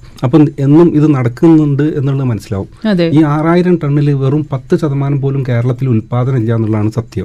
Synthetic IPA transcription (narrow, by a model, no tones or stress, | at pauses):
ɐpːɐːe̞nːumiðɨnɐɽɐkːunːuɳɖɨe̞nːuɭːɐðɨmɐnɐsːila̰ːʋumɐdeːiːaːraːjiɾɐmʈɐɳːilʋerumpɐt̪ːɨɕɐðɐmaːnɐmpo̞ːlumke̞ːɾɐɭɐt̪ːilulpaːd̪ɐnɐmilːaːnːuɭːaːɳɨsɐt̪jɐm